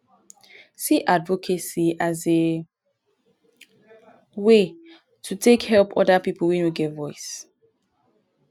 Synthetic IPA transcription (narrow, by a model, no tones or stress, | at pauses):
siʔadvɔkʰesiaze | we | tʰutʰekhɛlˠpʰɔ̰dapipʰl̩ˠwɛ̃nwiɡɛtvɔɪs